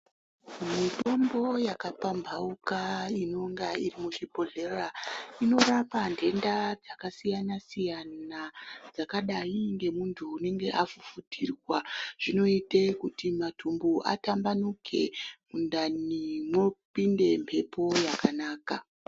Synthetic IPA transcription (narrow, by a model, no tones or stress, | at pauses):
mito̞mbo̞jakapambʱaukaino̞ŋɡairimuʐibo̞ɮe̞raino̞ɾapandʱe̞ndad͡zakasijanasijanad͡zakaɗaiŋɡe̞muntʰuːne̞ŋɡe̞ʔafufutʰirwaʐ̥ino̞itekutimatʰumbuʔa̰tambanukʰe̞kundanimo̞pinde̞mpʰe̞po̞jakanaːka